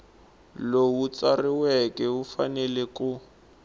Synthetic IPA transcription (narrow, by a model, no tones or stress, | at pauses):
lowut͡sariwɛkʼɛɦufanɛlɛkʊ